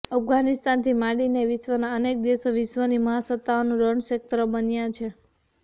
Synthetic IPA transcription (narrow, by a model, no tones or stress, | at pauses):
əpɡanist̪ant̪ʰimaɽineʋɪʃʋənaənek̚d̪esoʋɪʃʋəniməɦasət̪ːaonũɾəɳʃək̚t̪ɾəbənjãt͡ʃʰe